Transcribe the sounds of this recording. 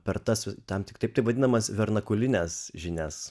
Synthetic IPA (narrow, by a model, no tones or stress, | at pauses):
pʲɛɾt̪ɐsʲt̪ɐmt̪ʲɪkt̪ɐɪpt̪ɐɪpʋɐd̪ʲɪnɐmɐsʋʲɛɾnɐkʊlʲɪnʲɛsʒʲɪnʲæs